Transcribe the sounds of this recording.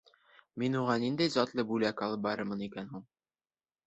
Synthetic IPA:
minuʁɑnind̪æjzɑt̪lˠɤbulækɑlˠɤp̚bɑɾɤɾmɤnikænɦuɴ

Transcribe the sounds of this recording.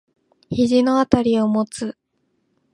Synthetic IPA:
çiʑino̞at̪aɾʲio̞mo̞t͡sɨ

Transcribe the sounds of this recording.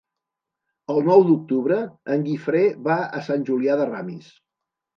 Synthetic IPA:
əlˠnɔwd̪uk̚t̪uβɾəːŋɡifɾeβaə̰sanʲʒuliaðəramḭs

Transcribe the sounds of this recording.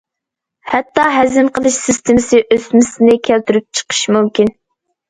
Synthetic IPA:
hɛt̪ːɑɦɛzɪnqʰəlˠɨʃsɪst̪ʰɪmɪsɪʔøsmɪsɪnɪkʲʰælt̪ʰyɾyp̚t͡ʃʰə̥qʰə̥ʃmumkʲin

